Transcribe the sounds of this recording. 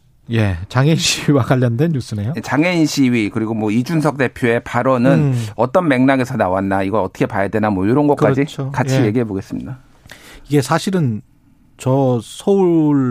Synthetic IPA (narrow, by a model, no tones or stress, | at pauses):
je̞t͡ɕaŋeinɕʰiwiwaɡaʎːʌndwenjus͈ʰɯne̞jojet͡ɕaŋeinɕʰiɥikɯɾiɡomwʌid͡ʑunsʰʌk̚t͈e̞pʰjoe̞paɾʌnɯnʌt͈ʌnme̞ŋnaɡe̞sʰʌnawanːaiɡʌɾʌt͈ʌkʰepajadwe̞namwʌjoɾʌnɡʌtkk͈ad͡ʑiokat͡ɕʰije̞ɡiɦe̞boɡe̞s͈ɯmɲida | iɡe̞sʰaɕʰiɾɯn | t͡ɕʌsʰʌuɭ